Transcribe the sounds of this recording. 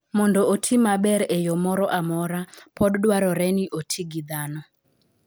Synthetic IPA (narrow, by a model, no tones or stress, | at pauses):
mɔndɔotʰimabɛɾɛjɔmɔɾɔʔamɔɾapʰɔddwaɾɔɾɛniʔotʰiɡid̪anɔ